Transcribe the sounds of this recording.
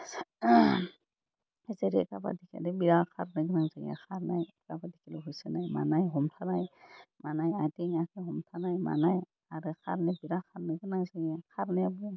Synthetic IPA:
ezeɾḭka̰ba̰dikʰḭlɛbiɾakʰaɾnɛɡɯnaŋzaɡɛ̰kʰaɾna̰j | kabadikʰilɛɦujsɛnajma̰najɦɔmtʰanajmanajatiŋakʰɛɦɔmtʰanajma̰naj | aɾɯkʰa̰ɾnɛbiɾakʰaɾnɛɡɯnaŋzaɡɛkʰaɾnɛjabuɛ

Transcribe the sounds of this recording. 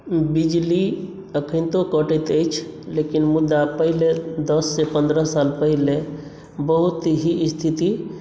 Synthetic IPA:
bid͡ʒli | əkʰənt̪okəʈət̪əjt͡ʃʰlekinmud̪ːapəɦiled̪əsːepə̃nd̪ɾəsalpəɦile | bəɦut̪ɦiːst̪ʰit̪i

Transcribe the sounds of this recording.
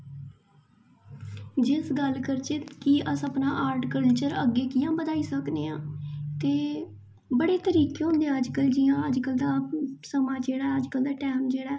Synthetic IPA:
d͡ʒɪsɡəlkəɾt͡ʃeːkiːʔəsəpnaːʔaːɾʈkəlt͡ʃəɾəɡːeːkɪjãːbəd̪aːiːsəkd̪eːãːt̪eː | bəɽeːt̪əɾiːkeːɦoʊ̃nd̪eəd͡ʒkəld͡ʒɪjãːəd͡ʒkəld̪aːsəmãːd͡ʒeːɽaːəd͡ʒkəld̪aːʈɛːmd͡ʒeːɽaɛː

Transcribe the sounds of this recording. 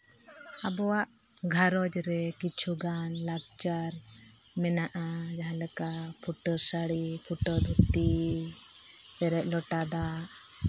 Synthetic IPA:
abɔwaʔ | ɡʱaɾɔd͡ʒɾɛkit͡ʃʰuɡanlaɡ̚t͡ʃaɾ | mɛnaʔad͡ʒaɦãlɛkapʰuʈəɾsaɽipʰuʈɔd̪ut̪i | bɛɾɛʔ̚ˀlɔʈad̪aʔ

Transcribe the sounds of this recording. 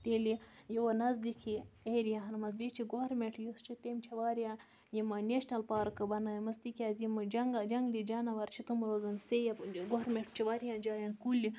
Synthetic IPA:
t̪elijiwonɐzd̪ikʰieːɾijaɦɐnmɐzbit͡ʃʰiɡoɾmeʈjust͡ʃit̪emt͡ʃʰɐʋaːɾija | jimɐneʃnɐlpaːɾkɨbɐnajmɐst̪ikʲazimɐd͡ʒɐŋɡad͡ʒɐŋɡlid͡ʒanaʋɐɾt͡ʃʰit̪ɨmɐɾozɐnsejaɡoɾmeɳʈt͡ʃʰɐʋaːɾijãːd͡ʒaːjɐnkuli

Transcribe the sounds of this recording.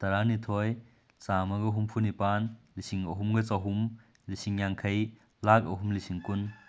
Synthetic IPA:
t̪ɐɾanitʰɔj | t͡samɐɡɐɦumpʰunipanlisiŋɐɦumɡɐt͡saɦum | lisiŋjaŋkʰɐj | lak̚ɐ̰ɦumlisiŋkun

